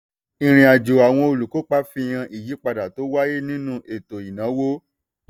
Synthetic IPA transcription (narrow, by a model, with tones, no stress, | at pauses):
ĩ˨ɾ̃ĩ˨a˨d͡ʒo˨a˨w̃ɔ̃˧o˧lu˨ko˨˦k͡pa˦fĩ˧j̃ã˧ʔi˨ji˨˦k͡pa˧da˨to˨˦wa˦je˦nĩ˦nũ˧ʔe˨to˨i˨nã˨˦wo˦